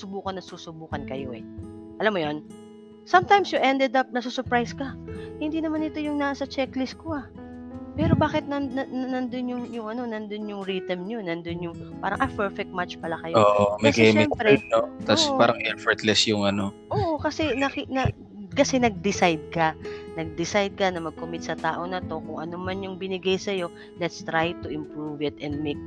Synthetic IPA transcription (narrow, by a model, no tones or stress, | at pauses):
sʊbuːkɐnːɐsuːsʊbuːkɐnkɐjo̞̰ʔɛ̰ʔɐlamːojon | sɐmt̪ajmsjʊʔɛnd̪ɛd̪ɐp̚nɐsuːsʊɹpɹajskɐhɪnd̪iːnɐmanːɪt̪o̞jʊŋnaːsɐt͡ʃɛklɪsko̞a | pɛːɾo̞baːkɪt̪̚nɐɐnnɐnd̪onjʊŋjʊŋʔɐno̞nɐnd̪onjʊŋɹit̪ɐmɲo̞nɐnd̪onjʊŋpaːɾɐŋʔɐpɛɹfɛk̚t̪̚mat͡ʃpɐlakɐjooːʔomɐɡɛmɛɛmpɾɛnoʔt̪asppaːɾɐŋʔɛɹfɛɹt̪lɛsjʊŋɐno̞ | ʔoʔokɐsɛnɐkinɐ | kɐsɛnɐɡ̚d̪ɪsajd̪̚kɐnɐɡ̚d̪ɪsajd̪̚kɐnɐmɐɡ̚komɪt̪̚sɐt̪a̰ːʔonɐt̪o̞kʊŋʔɐnomanjʊŋbɪnɪɡajsɐjo̞ | lɛt̪st̪ɾajt̪ʊʔɪmpɹuvɪt̪ɛnd̪̚mek̚